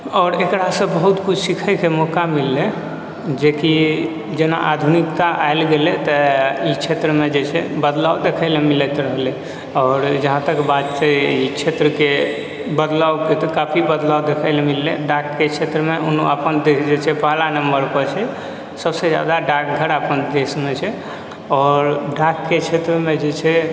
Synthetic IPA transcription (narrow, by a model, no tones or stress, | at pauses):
ɔːɾekɾasə̃bəɦut̪kut͡ʃʰsikʰəjkemɔkamilːe | d͡ʒeki | d͡ʒena̰ʔad̪ʱunikt̪aʔajlɡelet̪əit͡ʃʰet̪ɾəmed͡ʒesʰebəd̪lawd̪ekʰəɪlemilət̪ɾəɦle | ɔːɾd͡ʒəɦãt̪əkbad̪t͡ʃəit͡ʃʰet̪ɾəke | bəd̪lawket̪kapʰibəd̪lawd̪ekʰəɪlemilːḛɖakket͡ʃʰet̪ɾəmeuno̰əpənd̪ed͡ʒet͡ʃʰɛpəɦlanəmbəɾpət͡ʃʰɛ | səbsed͡ʒa̰d̪aɖak̚ɡʱəɾəpənd̪esmet͡ʃʰɛ | ɔːɾɖakːet͡ʃʰet̪ɾəmed͡ʒet͡ʃʰɛ